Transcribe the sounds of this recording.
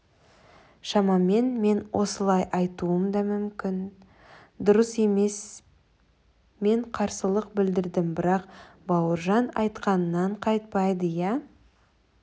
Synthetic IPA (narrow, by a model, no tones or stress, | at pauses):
ʃɑmɑme̞nme̞nwʔo̞̰səlˠɑjʔɑjt̪uəmd̪ɑmʏmkʲɪn | d̪ʊɾəse̞me̞s | me̞ɴqʰɑɾsəlˠəq̚bɪld̪ɪɾd̪ɪmbɪɾɑq | bɑwəɾʒɑnɑjt̪qɑnənːɑɴqʰɑjt̪̚pɑjd̪əjæ